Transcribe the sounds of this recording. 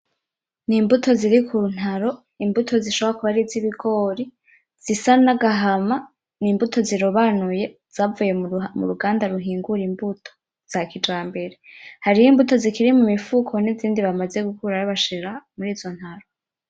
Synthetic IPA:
niːmbutʰo̞ziɾikʰuɾun̥aɾo̞ | imbutʰo̞ziʃoβoɾakuβaɾiziβiɡo̞ːɾi | z̥isanaɡaɦama | niːmbutʰo̞ziɾoβanuje̞ | z̥aːvuje̞mṵɾuɡaːndaɾuɦiːŋɡuɾimbutʰo̥ | z̥akid͡ʒaːmbe̞ɾe̞haɾijimbuto̞zikiɾimumifukʰo̞niziːndiβamaze̞ɡukʰuɾaɾaβaʃiɾamuɾiːzo̞n̥haɾo

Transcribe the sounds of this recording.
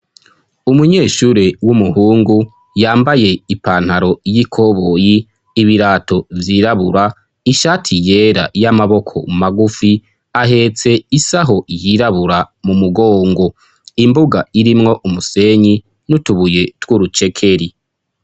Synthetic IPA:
umuɲe̞ːʃuːɾewumuhuːŋɡu | jaːmbaje̞ipaːn̥haɾo̞jikʰo̞βojiː | βiɾaːto̞vjiːɾaβuɾa | iʃaːtʰije̞ːɾa̰jamaβo̞kʰo̞̰maɡufi | aɦe̞t͡se̞isaɦo̞jiɾaβuɾamumuɡo̞ːŋɡo̞ | imbuɡaiɾimŋo̞ʔumuse̞ɲi | nutuβuje̞twuɾut͡ʃe̞kʰe̞ɾi

